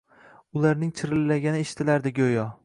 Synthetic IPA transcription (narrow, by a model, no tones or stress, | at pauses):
ʊlaɾnɪŋt͡ʃʰɪɾɪlːaɡʲanɪeʃɪ̥t̪ɪlaɾd̪ɪɡʲojɒ